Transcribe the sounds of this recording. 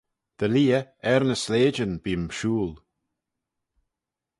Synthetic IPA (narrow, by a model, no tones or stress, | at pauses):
d̪̥əliːəɛɾnəsleːd͡ʒənbiːəmʃuːl